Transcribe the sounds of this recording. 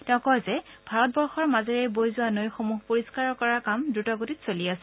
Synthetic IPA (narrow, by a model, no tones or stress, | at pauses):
tɛʊ̃kɔjzɛb̥ʱaɹɔt̚bɔɹxɔɹmazɛɹɛjbojzuanojxomuɦpoɹiskaɹɔkɔɹakamdɹutɔɡotitsoliasɛ